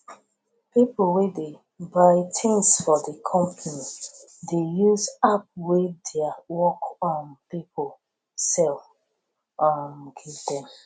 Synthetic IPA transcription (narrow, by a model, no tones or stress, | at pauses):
pipəlwede | baɪtʰɪ̃ŋsfɔdəkʰɔ̃mpʰəni | dejuzap̚wedeawɔkɔ̃npipʰol | sɛlf | amɡivdɛ̃m